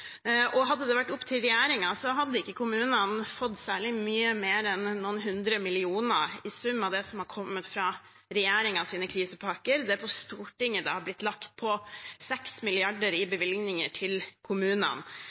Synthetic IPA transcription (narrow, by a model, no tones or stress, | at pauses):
ʔɔɦɑd̪ːəd̪ɛʋæʈːʊpːt̪ʰɪlɾɛjeːɾɪŋɑsɔɦɑd̪ːəɪkːəkʰʊmʉːnənfɔt̪ːsæːɭɪmyːəmeːɾɛnːuːnɦʉnd̪ɾəmɪlɪuːnəɪsʉmːɑʋd̪ɛsɔmhɑɾkʰɔmːət̪fɾɑː | ɾɛjeːɾɪŋɑsiːnəkʰɾiːsəpʰɑkəɾd̪ɛpʰɔst̪uːʈɪŋːəd̪ɑ̰ːhɑɾblɪt̪ːlɑkt̪̚pʰɔsɛksmɪlɪɑɖəɾɪbəʋɪlɡnɪŋəʈʰɪlkʰʊmʉːnə̰n